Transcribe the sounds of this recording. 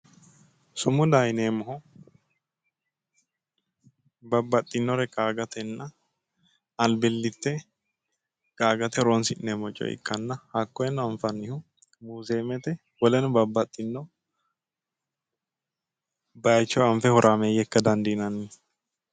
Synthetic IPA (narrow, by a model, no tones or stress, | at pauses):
sʊmʊd̪ajneːmɔhɔ | bɐbːɐt̪ʼːɪnːɔɾɛkʼaːɡɐt̪ɛnːɐ | ɐlbɪlːɪt̪ːɛ | kʼaːɡɐt̪ɛɾɔnsɪnɛmɔt͡ʃʼːɔ̰ɪ̰kːɐnːɐhakːɔjɛnːɔɐɱfɐnːɪhʊ | muːzeːmɛt̪ɛ | wɔlɛnʊbɐbːɐt̪ʼːɪnːɔ | bɐjt͡ʃːɔɐɱfɛhɔɾʔaːmejɛkːɐd̪ɐnd̪ɪnɐnːɪ